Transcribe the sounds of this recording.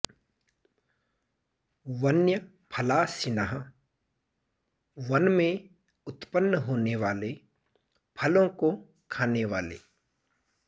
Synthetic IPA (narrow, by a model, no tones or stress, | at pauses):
ʋɐnjə | pʰɐlaːsɪnəɦə | ʋɐnmẽ | ʊt̪pənːəɦoːneʋaːle | pʰɐlõko | kʰaːneʋaːlḛː